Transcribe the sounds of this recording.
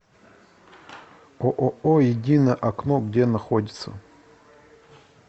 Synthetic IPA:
oʔoʔojɪdʲinəjəʔɐknoɡdʲenɐxodʲɪt̪sə̰

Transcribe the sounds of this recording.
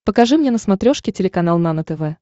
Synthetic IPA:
pəkɐʐɨmnʲenəsmɐt̪ɾʲoʂkʲɪtʲɪlʲɪkɐnalˠnanət̪ɛvɛ

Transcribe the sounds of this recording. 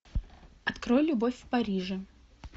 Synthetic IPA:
ɐt̪kɾojlʲʊbofʲfpɐɾʲiʐɨ

